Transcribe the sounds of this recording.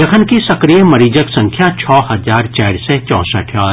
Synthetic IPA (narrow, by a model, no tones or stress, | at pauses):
ɐkʰənkisɐkɾijəmɐɾiːd͡ʒəksɐ̃ŋkʰjat͡ʃʰɔːɦɐzaːɾt͡ʃaːɾsɛt͡ʃɔ̰̃ːsə̰ʈʰjaː